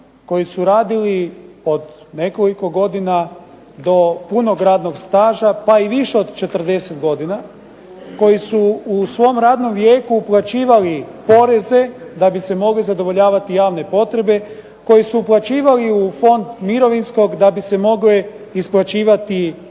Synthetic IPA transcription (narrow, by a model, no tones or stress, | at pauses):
ko̞jisuɾaːd̪ilio̞d̪ | ne̞ko̞liko̞ɡo̞d̪ina | d̪o̞puno̞ɡɾaːd̪no̞ɡst̪aːʒapaiʋiʃeo̞d̪t͡ʃe̞t̪r̩d̪e̞set̪ɡo̞d̪ina | ko̞jisuusʋo̞mɾaːd̪no̞mʋjeːkuːplˠat͡ʃiːʋalipo̞ɾeze̞d̪abise̞mo̞ɡlizad̪o̞ʋo̞ʎaːʋat̪ijaːʋne̞po̞t̪ɾe̞be̞ | ko̞jisuːplˠat͡ʃiːʋaliufo̞nd̪miɾo̞ʋinsko̞ɡd̪abise̞mo̞ɡle | isplˠat͡ɕiːʋat̪i